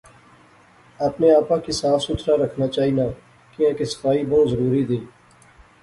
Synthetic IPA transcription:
əpneːaːpãːkiːsaːfsʊt̪ʰɾaːɾəkʰnaːt͡ʃaːiːnaː | kĩːãːkesə̥faːiːbɔːt̪zəɾuːɾiːd̪eː

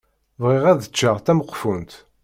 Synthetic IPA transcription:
vʁiʁæðət͡ʃːəʁθæməqːfunt̪

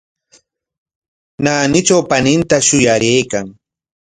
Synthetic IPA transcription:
naːnɪt͡ʃawpanɪnt̪aʃʊjaɾejkaŋ

